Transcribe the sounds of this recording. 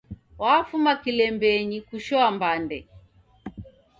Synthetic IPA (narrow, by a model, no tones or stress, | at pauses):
wafumakilɛmbɛɲikuʃɔambandɛ